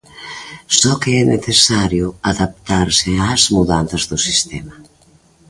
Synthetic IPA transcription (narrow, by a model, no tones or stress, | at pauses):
sɔkeɛneθesaɾjʊaðap̚t̪aɾsɪaːzmuðan̟θazðʊsist̪ɛma